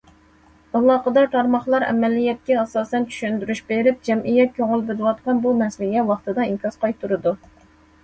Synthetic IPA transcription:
ɑlˠːɑːqəd̪ɑt̪ʰɑɾmɑχlˠɑɾɛ̰mɛlːijɛt̪̚kʲɛɑsɑːsɛnt͡ʃʰy̥ʃynd̪yɾyʃbeɾɪp̚d͡ʒɛmʔijɛt̪̚kʲʰøŋʊlˠbɪlɨwɑt̪̚qɑnbumɛslɪɡʲɛwɑχt̪ɨd̪ɑiŋkʲʰɑsqɑjt̪ʰːuɾɨd̪u

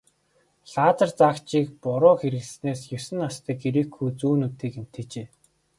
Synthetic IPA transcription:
ɬaːt͡sə̆rt͡sakt͡ɕiːkpʊɾʊːxeɾɘ̆ɮsneːsjɵsɘ̆nːast̪ʰiːkeɾĭːkːujt͡suːnut̪eːken̥t̪ʰet͡ɕeː

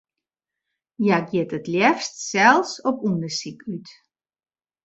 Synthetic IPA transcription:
jaɡjɪtətljɛfstsɛlˠsɔpundəsikʰyt

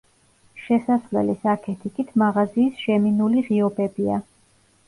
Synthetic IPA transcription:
ʃɛsaslɛ̰lisakʰɛt̪ʰikʼit̪ʰmaʁaziːsʒɛminuliʁiɔbɛbia

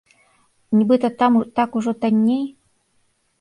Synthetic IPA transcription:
nʲibɨt̪ət̪amt̪akuʐɔt̪anʲːej

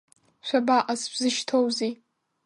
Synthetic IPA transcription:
ʃʷᶣabaʔʼaspzɨʃtʰowzi

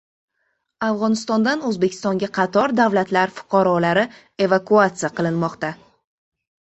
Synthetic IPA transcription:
avʁɒnɪst̪ɒnd̪anɵzbekʲʰɪ̥st̪ɒŋɡʲaqʰɑt̪ʰɒɾd̪avlat̪laɾfʊ̥qʰɑɾɒlaɾɪ | e̞vakuat̪sɨijaqɨlˠɪnmɒqt̪a

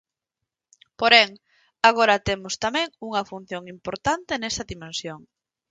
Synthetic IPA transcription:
poɾeŋ | aɣ̞oɾɐt̪emʊst̪amɛ̃ŋuŋɐfun̟θjoŋimpoɾt̪ant̪enesɐðimẽnsjoŋ

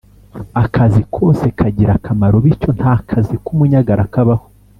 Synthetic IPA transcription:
akʰazikʰo̞ːse̞kʰaɟiɾakʰamaɾo̞βiɾco̞n̥haːkʰazikumuɲaɡaɾakaβaho̥

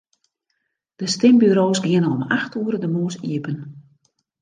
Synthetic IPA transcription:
d̥əstɪmbyɾoːsɡɪənənɔmaxtʰuəɾədəmoəsḭəpən

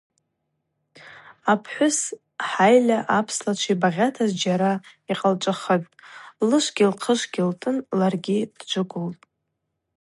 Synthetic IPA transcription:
apʰħʷʊs | ħajlʲaʔapʰslat͡ʃʷʰibaʁʲatʰazd͡ʒaɾaiqʼalt͡ʃʷʼaχətʼlɨʃʷɡʲilqʰəʂɡʲiltʼɨnlarɡʲid̥d͡ʒʷʊɡʷʊltʼ

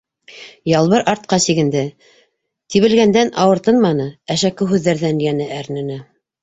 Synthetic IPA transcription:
jɑlˠβɤɾʔɑɾt̪̚qɑsiɡɘ̆nd̪ɘ | t̪iβɘ̆lɡænd̪ænʔɑwɤ̆ɾt̪ɤnmɑnɤæʃækɘɦʉðːæɾðænjænɘʔæɾnɘ̆nɘ

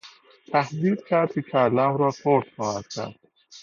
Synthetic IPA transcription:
t̪ʰæhd̪iːd̪̚kʰæɾt̪kekʰælæmɾɒːsʰoɾt̪χɒːhæd̪̥kʲʰæ̰ɾd̪̥

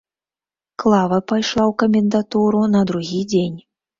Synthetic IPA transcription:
klˠavɐpajʂlˠawkɐmʲɛnd̪at̪uɾunɐd̪ɾuɣʲid͡zʲenʲ

